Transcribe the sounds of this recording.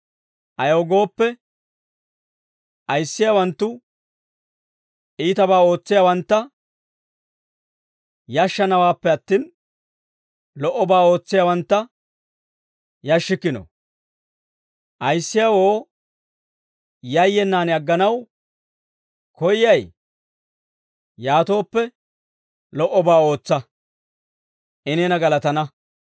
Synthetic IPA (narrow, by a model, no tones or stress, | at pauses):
ʔɐjoːɡo̞ːpːɛ | ʔɐjsːɪjawɐnt̪ːʊ | ʔiːt̪ɐbaːo̞ːt͡sːɪjawɐnt̪ːɐ | jɐʃːɐnɐwaːpːɛɐt̪ːiːn | lɔʔːɔbaːo̞ːt͡sːɪjawɐnt̪ːɐ | jɐʃːɪkːɪnɔ̰ | ʔɐjsːɪjawoː | jɐjːɛnːaːnɐɡːɐnɐw | kʰɔjɪjɐj | jaːt̪o̞ːpːɛ | lɔʔːɔbaːo̞ːt͡sːɐ | ʔɪnɛnɐɡɐlɐt̪ɐnɐ